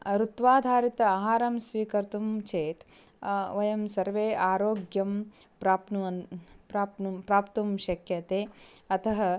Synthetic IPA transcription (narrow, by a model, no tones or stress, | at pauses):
ɾut̪ʋaːd̪ʱaːɾit̪ɐaːɦaːɾɐmsʋiːkɐɾt̪umt͡ʃʰeːt̪ | ʋɐjɐmsɐɾʋeːʔaːɾoːɡjɐm | pɾaːpnuɐnpɾaːpnupɾaːpt̪ɐmʃɐkʰjɐt̪eːɐt̪ʰɐɦɐ